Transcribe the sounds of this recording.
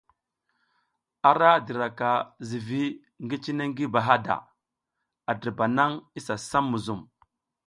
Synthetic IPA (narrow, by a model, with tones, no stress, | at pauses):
a˨ɾa˦di˨ɾa˨ka˨zi˨vi˦ | ŋɡi˦t͡ʃi˦ne˦ŋɡi˦ba˨ɦa˦da̰˨ | a˨di˨ɾba˨na˦ŋi˦sa˨sa˦mːu˨zu˨m